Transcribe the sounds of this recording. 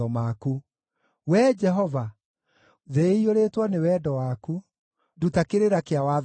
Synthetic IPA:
ɔmaku | wɛd͡ʒɛɦɔva | ðeioɾetwanewɛːdɔwaku | dutakeɾeɾakeawa

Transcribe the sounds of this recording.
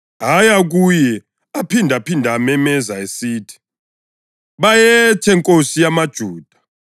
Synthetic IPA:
ɦajaɣ̬ujɛ | apʰindʱapʰindʱamɛmɛzaesiːtʰi̥ | βajɛtʰɛŋkʼosijamad̥ʒ̥ʱuːd̥ʱa

